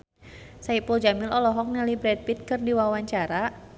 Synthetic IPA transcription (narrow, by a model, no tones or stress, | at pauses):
saipuld͡ʒamɪlɔlɔɦɔk̚nalibɾɛd̪̚pit̪̚kɨrdiwawaɲt͡ʃaɾa